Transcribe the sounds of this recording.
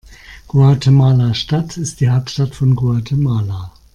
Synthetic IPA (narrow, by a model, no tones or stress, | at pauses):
ɡ̥uatʰemaːlaʃtatʰɪst̚d̥iːɦaʊp̚tʃtatfɔnɡuaɐtʰemaːla